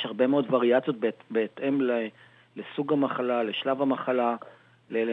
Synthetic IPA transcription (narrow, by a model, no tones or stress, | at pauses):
jʃhaʁbe̞meo̞dvaʁiat͡sio̞t̪̚bebeːt̪ʔe̞mle | lesuɡamaχalaleʃlavhamaχala | lel